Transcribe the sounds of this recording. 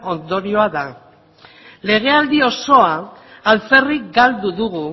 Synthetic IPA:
o̞nd̪o̞ɾio̞aða | le̞ɣ̞e̞ald̪io̞so̞aː | lt͡se̞rikɡald̪uðuɣu

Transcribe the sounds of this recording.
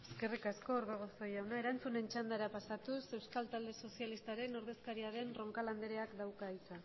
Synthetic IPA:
e̥ske̞rikasko̞ːɾβeɣ̞oso̞jawnae̞ɾant͡sune̞nt͡ʃand̪aɾapasat̪use̞wskalt̪ald̪e̞so̞sialist̪aɾe̞no̞ɾðe̞skaɾiaɾe̞nro̞ŋkaland̪e̞ɾe̞akd̪awkaisa

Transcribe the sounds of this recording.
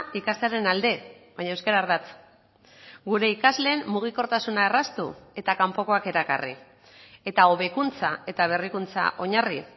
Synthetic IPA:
ikasle̞aɾe̞nald̪e̞βaɲaewskeɾaɾβat͡s | ɡuɾe̞ikazle̞ːmmuɣ̞iko̞ɾt̪asunaerast̪ue̞t̪akampo̞ko̞ake̞ɾaka̰rḭ | e̞t̪ao̞β̞e̞kunt͡sae̞t̪aβ̞e̞rikunt͡sa̰ʔo̞ɲari

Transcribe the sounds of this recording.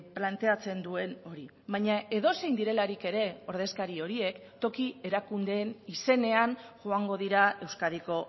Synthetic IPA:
plant̪e̞at͡se̞nd̪ue̞no̞ɾi | βaɲae̞ðo̞sejnd̪iɾe̞laɾike̞ɾe̞o̞ɾð̞e̞skaɾio̞ɾie̞kt̪o̞kie̞ɾakund̪e̞ːnise̞ne̞anʝoaŋɡo̞ð̞iɾae̞wskaðiko̞

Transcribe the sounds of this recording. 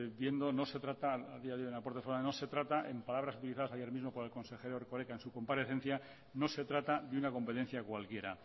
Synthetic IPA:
bje̞nd̪o̞no̞se̞t̪ɾat̪aaðiaðeojenapo̞ɾt̪efonaeno̞se̞t̪ɾat̪aʔempalaβɾasut̪iliθaðasajeɾmizmo̞po̞ɾe̞lko̞nse̞xe̞ɾoɾko̞ɾekaensuko̞mpaɾe̞θe̞n̟θja | no̞se̞t̪ɾat̪aðeunako̞mpe̞t̪e̞n̟θjakwalkje̞ɾa̰

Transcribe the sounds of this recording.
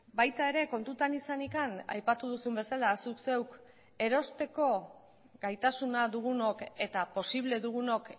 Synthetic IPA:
bajt̪ae̞ɾe̞ko̞nt̪ut̪anisanikana̰jpat̪uð̞usumbe̞salasukse̞wk | e̞ɾo̞st̪e̞ko̞ | ɡajt̪asunaðuɣ̞uno̞ke̞t̪apo̞siβ̞le̞ðuɣ̞uno̞k

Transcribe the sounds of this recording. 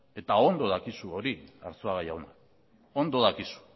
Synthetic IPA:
e̞t̪ao̞nd̪o̞ð̞akisuo̞ɾia̰ɾt͡soaɣajawna̰ | o̞nd̪o̞ðakisu̥

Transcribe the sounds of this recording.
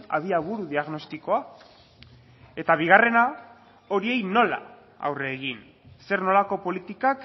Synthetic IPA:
a̰ðiaβuɾuðiaɣno̞st̪iko̞a | e̞t̪aβ̞iɣ̞are̞na | o̞ɾie̞jno̞la̰ | a̰wre̞ːɣin | se̞rno̞lako̞po̞lit̪ikak

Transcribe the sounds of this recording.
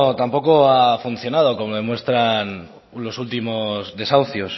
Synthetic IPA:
ot̪ampo̞koafun̟θjo̞nað̞o̞ko̞moðe̞mwe̞st̪ɾan | lo̞sult̪imo̞zðe̞sawθjo̞s

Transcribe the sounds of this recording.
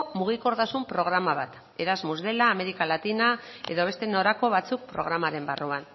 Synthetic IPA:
muɣ̞iko̞ɾt̪asumpɾo̞ɣ̞ɾamaβat̪ | e̞ɾazmuzðe̞laːme̞ɾikalat̪inae̞ðo̞β̞e̞st̪e̞no̞ɾako̞βat͡suk̚pɾo̞̰ɣ̞ɾamaɾe̞mbaruan

